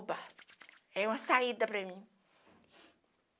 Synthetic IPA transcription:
bɐ | ɛũmɐsaid̪ɐpɾɐmĩ

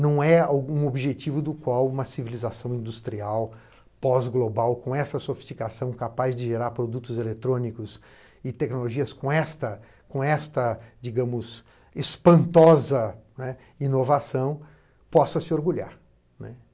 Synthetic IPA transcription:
nɐ̃w̃ɛawɡũobiʒet͡ʃivʊd̪ʊkwawũmɐsivilizasɐ̃w̃ĩnd̪ust̪ɾiaw | pɔzɡlobawkõw̃ɛsɐsofi̥st͡ʃikasɐ̃w̃kapazd͡ʒɪʒeɾaɾpɾod̪ut̪ʊzelet̪ɾõnikʊs | ɪt̪ɛknoloʒiɐskõɛst̪ɐ | kõɛst̪ɐd͡ʒiɡɐ̃mʊz | espɐ̃nt̪ɔzɐnɛ | inovasɐ̃w̃ | pɔsɐsɪoɾɡuʎa̰ɾ | nɛ̰

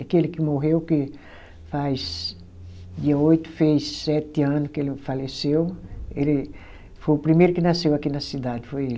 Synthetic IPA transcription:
akelɪkɪmoɦewkɪ | fajs | d̪iɐojt̪ʊ̥fejsːɛt̪ɪɐ̃nʊskelɪfalesewelɪ | fojʊpɾimejɾʊkɪnasewakinɐsid̪ad̪ɪfojel

